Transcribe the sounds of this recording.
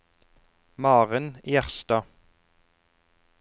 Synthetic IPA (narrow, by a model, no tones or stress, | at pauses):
mɑːʁənjæʁst̪ɑː